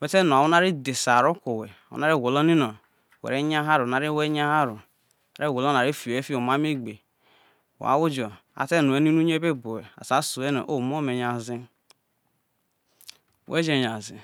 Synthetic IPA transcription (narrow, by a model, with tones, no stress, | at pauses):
we˦te˦no˨wu˦na˦ɾi˦de˨sa˨ɾu˦ko˨we˨a˨wṵ˦na˦ɾi˦˨ɡo˨lo˦ni˦no˨ | wḛ˨ɾe˦ɲ˦a˦ɦa˦ɾu˨na˨ɾi˦we˦ɲ˦a˦ha˦ɾu˨ | a˨ɾi˦˨wo˨lo˦na˨ɾi˦fi˨o˨e˦fi˦o˨ma˦mi˦ɡ͡be˨ | wa̰˨˦wu˦d͡ʒo˨ | a̰˨te˦˨nu˨e˦ni˦nu˦ɲe˦be˦bo˨we˨a̰˨sa˨˦su˨e˦no̰˨ʔo˦˨m˦o˦me˨ɲ˨a˨zi˦ | wḛ˦d͡ʒe˨ɲ˨a˨zḭ˨